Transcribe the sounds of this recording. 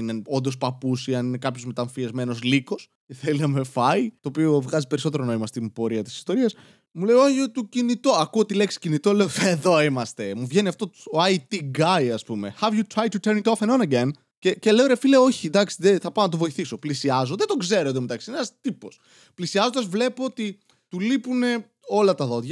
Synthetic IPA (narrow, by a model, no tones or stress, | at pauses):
ineo̞nd̪ospɐpusiɐnine̞kɐpçozme̞t̪ɐɱfiɐzme̞no̞zliko̞s | ce̞θelinɐme̞fɐit̪o̞ːpio̞vɣɐzipe̞ɾiso̞t̪eɾonoimɐst̪imbo̞ɾiɐt̪i̥si̥st̪o̞ɾiɐs | mule̞joɐʝot̪ucinit̪oɐkuot̪ile̞ksi̥cinit̪ole̞oeðo̞imɐst̪e̞muvʝe̞niɐft̪ot̪u̥oɐt̪iɡajɐspume̞xɐvjut̪ɾajt̪ut̪eɾnit̪ofenonɐɡen | ce̞ce̞leo̞ɾefileo̞çind̪ɐksiðeθɐpɐnɐt̪̬ovo̞iθiso̞plisiɐzoðed̪o̞ɡze̞ɾoomet̪ɐksinenɐst̪ipo̞s | plisiɐzond̪ɐzvle̞poot̪i | t̪ulipune̞ | o̞lɐt̪ɐðo̞ðʝɐ